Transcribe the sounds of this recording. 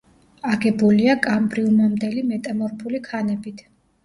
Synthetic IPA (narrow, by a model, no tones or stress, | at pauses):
aɡɛbuliakʼambɾiumamd̪ɛlimɛt̪ʼamɔɾpʰulikʰanɛbit̪ʰ